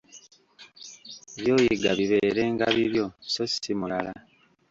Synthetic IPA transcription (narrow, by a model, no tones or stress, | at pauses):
eβjo̞ːjiɡaβiβe̞eɾe̞ːŋɡa̰βiβjo̞sosimulala